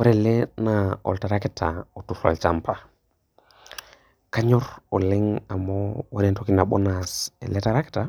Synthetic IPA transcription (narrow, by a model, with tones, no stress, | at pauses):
wo˦ɾe˨le˦na˨ɔ̰˨lta˨ɾa˦ke˦ta˨o˨tu˨ɾa̰˨lt͡ʃa˦mpʰa˨ | ka˦ɲɔ˦ɾɔ˨lɪ˦ŋa˨mɔwa˦ɾɛ˨nto˦ki˦na˨ɓɔ˦nasḛ˨le˦ta˨ɾa˦kɪ̥˦ta˨